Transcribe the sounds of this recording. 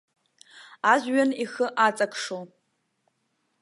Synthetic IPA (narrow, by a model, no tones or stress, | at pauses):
aʒʷɥanixəʔat͡sʼakʰʼʂo